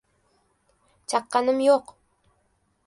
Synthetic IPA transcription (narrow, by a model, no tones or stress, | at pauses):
t͡ʃʰɑqːɑnɪmjoq